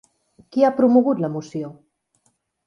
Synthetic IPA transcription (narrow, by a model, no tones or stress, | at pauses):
kiapɾumuɣut̪ləmusjo